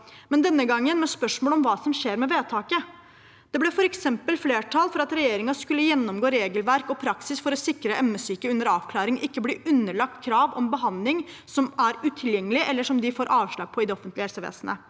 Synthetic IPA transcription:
mɛnd̪ɛnːəɡɑŋːənmɛspœʂmoːlɔmʋɑːsɔmɕeːɾmɛʋeːt̪ʰɑːkə | d̪̥ɛblɛfɔɾɛksɛmpəlfleːʈʰɑlfɔɾɑt̪ɾɛjeːɾɪŋɑskʉlːəjɛnːɔmɡoːɾeːɡəlʋæɾkɔpʰɾɑksɪsfɔɾɔsɪkɾəʔɛmːəsyːkəʉnd̪əɾɑːʋkʰlɑːɾɪŋʔɪkːəbliːʔʉnːəɭɑk̚t̪kʰɾɑːʋɔ̰mbəɦɑnd̪lɪŋ | sɔmæɾʉːt̪ʰɪljɛŋːəlɪʔɛlːəʂɔmd̪ɪfoːɾʔɑːʋʂɭɑːɡ̚pʰɔɪd̪ɛɔfənt̪lɪhɛlsəʋḛːsənə̰

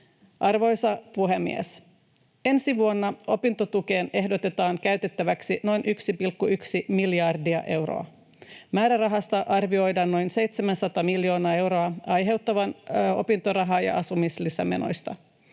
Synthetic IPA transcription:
ʔɑrʋo̞jsɑpuɦemːḭḛs | e̞nsiʋuo̞nːɑʔo̞pint̪o̞t̪uk̟e̞ːne̞ɦdo̞t̪e̞t̪ɑːŋkæɥt̪e̞t̪ːæʋæksino̞jnʔyksipilkːuyksimiljɑrdiɑ̰ʔe̞wro̰ɑ | mæːɾærɑɦɑst̪ɑʔɑrʋio̞jdɑnːo̞jnse̞jt̪semænsɑt̪ɑmilːjo̞ːnɑːe̞wɾo̞ɑɑjɦe̞wt̪ːɑʋɑno̞̰pint̪oɾɑɦɑːjɑ̰ʔɑsumislisæ̰mḛno̞̰jst̪ɑ̰

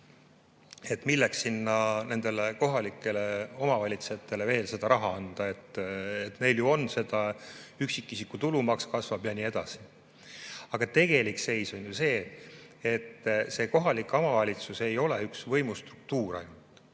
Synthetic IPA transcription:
e̞t̪ˑmilːeksinːɑne̞nd̪̥e̞leko̞ɦɑlikːˑe̞le̞o̞mɑvɑlʲit̪seet̪ːˑe̞le̞ve̞ːlse̞d̪̥ɑɾɑɦɑɑnd̪̥ɑe̞t̪ːet̪ne̞jljuo̞nse̞d̪̥ɑyksikˑːisikːˑut̪ulumɑkskɑsvɑb̥jɑnie̞d̪̥ɑsi̥ | ɑɡ̥ɑt̪e̞ɡ̥e̞likse̞jsonjuse̞ː | et̪ːse̞ːko̞ɦɑliko̞mɑvɑlʲit̪suse̞jo̞leyksvɤ̞jmust̪ru̥k̚t̪uːɾɑ̰jnut̪ˑ

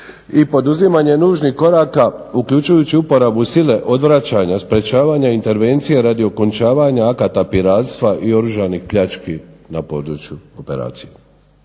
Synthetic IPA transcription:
ipo̞d̪uzimaɲe̞nuːʒnihko̞ɾaːkaukʎut͡ʃujut͡ɕiupo̞ɾabusile̞ʔo̞d̪ʋɾat͡ɕaːɲaspɾe̞t͡ɕaːʋaːɲaint̪e̞ɾʋe̞nt̪sije̞ɾad̪io̞ko̞nt͡ʃaːʋaɲaakat̪apiɾaːt̪st̪ʋaʔio̞ɾuʒanixpʎat͡ʃkinapo̞ːd̪ɾut͡ɕjuope̞̰ɾa̰ːt̪sije

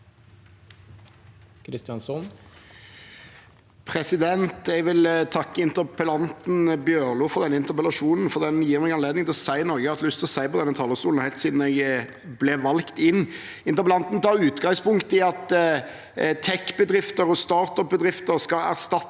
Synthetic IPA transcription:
kʰɾɪst̪jɑnsɔn | pʰɾɛsɪd̪ɛnt̪ɛɡʋɪlt̪ʰɑkːəɪnt̪əɾpəlɑnt̪n̩bjøːʁluːfɔʁd̪ɛnːəɪnt̪əʁpəlɑʂuːnn̩fɔʁd̪ɛnjiːɾmɛɡɑnleːd̪nɪŋt̪ɪlɔsæɪnɔɾɡəɑt̪llʏst̪ʰɪlɔsæɪpɔd̪ɛnːət̪ʰɑːləst̪uːln̩hæɪlt̪siːd̪n̩ɛɡ | blɛʋɑlkt̪ɪnː | ɪnt̪əʁpəlɑnt̪n̩t̪ʰɑːɾʉːt̪ɡɑŋspʊŋkt̪ɪɑt̪ | t̪ʰɛkːbəd̪ɾɪft̪əɾɔst̪ɑːʁt̪ɔp̚bəd̪ʁɪft̪əɾskɑæ̰ʁst̪ɑt̪ː

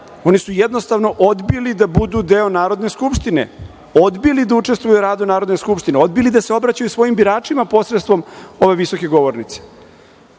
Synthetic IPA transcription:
o̞nisujed̪no̞st̪aʋno̞ʔod̪bilid̪abud̪ud̪e̞o̞naːɾo̞d̪ne̞skupʃt̪ine̞̰ | o̞d̪bilid̪aut͡ʂe̞st̪ʋujuɾaːd̪unaːɾod̪neskupʃt̪ineo̞d̪̚bilid̪ase̞o̞bɾat͡ɕajusʋo̞jimbiɾaːt͡ʂimapo̞sɾet̪st̪ʋomo̞ʋe̞ʋiso̞ke̞ɡo̞ʋo̞ɾnit̪se̥

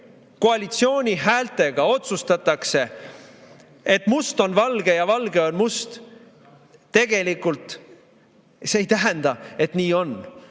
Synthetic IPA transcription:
ko̞ɑlʲit̪sio̞ːnʲiɦæːlt̪e̞ɡ̥ɑo̞t̪sust̪ɑt̪ːˑɑkse̞ | e̞t̪must̪o̞nvɑlɡ̥e̞jɑvɑlɡe̞o̞nmust̪ | t̪ːe̞ɡ̥e̞likult̪ˑ | seejt̪æɦænd̪̥ɑe̞t̪niːo̞n

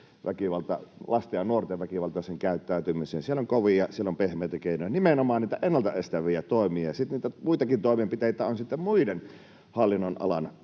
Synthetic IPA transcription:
ʋækiʋɑlt̪ɑlɑst̪ɑɑnuort̪eʋʋækiʋɑlt̪ɑseŋkæˑyt̪ːæˑyt̪ymisensieloŋkoʋijɑsielːompehmeːˑt̪jɑkeˑinojɑnimenomɑːnniːt̪æʔenːɑlt̪ɑest̪æʋiæt̪oˑemiɑjɑsit̪niːt̪æmuit̪ɑkint̪oˑemempit̪eˑit̪æonsit̪ːemmuiden | hɑlːinːonʔɑ̰lɑ̰n

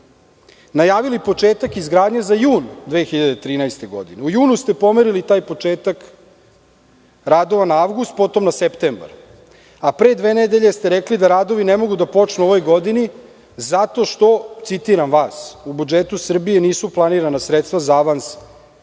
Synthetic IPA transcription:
najaːʋilipo̞t͡ʂeːt̪akizɡɾaːd̪ɲazajuːnd̪ʋe̞xiʎad̪et̪ɾiːnajst̪e̞ɡo̞̰d̪ineujuːnust̪e̞po̞meɾilit̪aːjpo̞t͡ʂeːt̪ak | ɾaːd̪o̞ʋanaaʋɡust̪̚po̞t̪o̞mnasept̪emba̰ɾ | apɾe̞ːd̪ʋe̞ːned̪e̞ʎe̞st̪e̞ɾeklid̪aɾaːd̪o̞ʋinemo̞ɡud̪apo̞t͡ʃnuoʋo̞jɡo̞d̪ini | zat̪o̞ʃt̪o̞t̪sit̪iɾamʋaːsubud͡ʒet̪usr̩bije̞niːsuplˠaniɾanasɾet̪st̪vazaaʋans

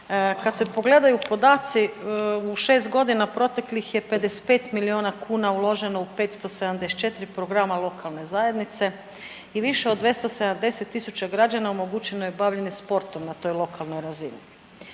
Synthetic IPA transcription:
kad̪se̞po̞ɡle̞d̪ajupo̞d̪aːt̪siuʃe̞ːs̬t̪ɡo̞d̪inapɾo̞t̪e̞klixje̞pe̞d̪ese̥t̪pe̞ːt̪milioːnakʰuːnaulˠo̞ʒe̞no̞upet̪st̪o̞sed̪amd̪ese̥t͡ʃe̞t̪ɾipɾo̞ɡɾamalˠo̞kʰalˠne̞zaje̞d̪nit̪se̞ | iʋiʃeod̪ʋje̞st̪ose̞d̪amd̪e̞set̪ːisut͡ɕaɡɾad͡ʑanaomo̞ɡut͡ɕenojebaʋʎe̞nispo̞ɾt̪omnat̪o̞jlˠo̞kʰalˠno̞jɾazini

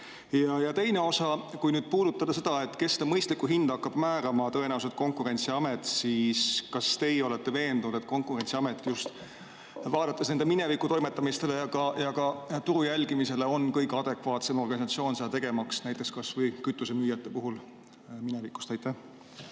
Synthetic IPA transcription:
jɑjɑt̪e̞jneo̞sɑkujnyːd̪̥̚puːd̪ut̪ːɑd̪̥ɑse̞d̪̥ɑe̞t̪ːˑke̞sd̪ɑmɤjst̪likːuɦind̪̥ɑkːɑb̥mæːɾɑmɑt̪ɤ̞e̞næuws̬ed̪̥̚ko̞ŋkuɾe̞nt̪siɑmet̪ˑsiːskɑst̪e̞jo̞let̪ːe̞ve̞ːnd̪̥unud̪et̪̚ko̞ŋkˑuɾe̞nʲt̪siɑmet̪ːˑjust̪ | vɑːd̪ɑt̪ːˑesne̞nd̪e̞mine̞vikˑut̪o̞jme̞t̪ːˑɑmist̪e̞le̞jɑɡ̥ɑjɑɡ̥ɑt̪uɾujælɡimise̞le̞o̞nkɤjɡɑd̪̥e̞kvɑːt̪se̞mo̞rɡ̥ɑnʲis̬ɑt̪sio̞ːnsed̪ɑt̪e̞ɡ̥e̞mɑksnæjt̪ːˑe̞kskɑsvɤjkyt̪ːˑuse̞myːjɑt̪ːˑe̞puɦul | minevikːˑu̥st̪ɑjt̪ːæh

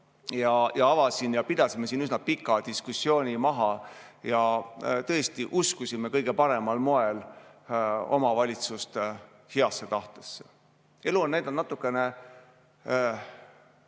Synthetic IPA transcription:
jɑjɑɑvɑsinjɑpid̪̥ɑsimːesiːnysnɑpikːˑɑd̪iskusːjo̞ːnʲimɑɦɑjɑt̪ɤ̞e̞st̪iʔuskusime̞kɤjɡ̥e̞pɑɾe̞mɑlmo̞el | o̞̰mɑvɑlʲit̪sust̪e | hiɑsːe̞t̪ɑht̪e̞̥sːe | e̞luonnæjd̪ɑnnɑt̪ːˑukːˑe̞ne̞

